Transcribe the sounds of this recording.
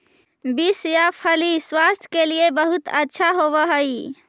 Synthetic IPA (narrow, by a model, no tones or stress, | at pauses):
bisjapʰəliswast̪ʰjkeliebəɦut̪ətːʃʰaɦobəɦəj